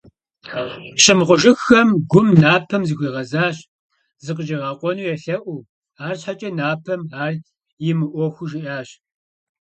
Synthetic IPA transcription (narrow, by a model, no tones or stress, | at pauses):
ɕɪmʁʷʊʒɪxːɐmɡʷʊmnaːpʰɐmzɨɣʷiːʁɐzaːɕ | zɨqəʒiʁɑːqʷʼɔnuːjɛɬɐʔʷu | aːrɕħat͡ʃʼɐnaːpʰɐmaːr | jɪmɨʔʷɔxʷʊʒɪʔaːɕ